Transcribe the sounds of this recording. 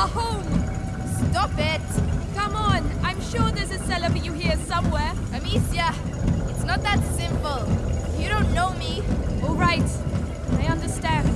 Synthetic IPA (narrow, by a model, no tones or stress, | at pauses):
əhõʊ̃m | stɔpɪt̚kʰʌ̃mə̃nãɪ̃mʃuɹðɪsɨz̥sɛləfəjuhiɹsʌ̃mwɛ | əmisiə | ɪtsnət̪̚ðætsɪ̃mpəlˠjɨɾõʊ̃nnoʊmiɔlˠɹaɪt | aɪʌ̃ndəstæ̃nd